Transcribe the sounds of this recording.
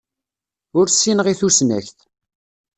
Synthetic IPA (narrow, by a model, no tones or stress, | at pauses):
ʊɾsːinʁiθusnæ̰çθ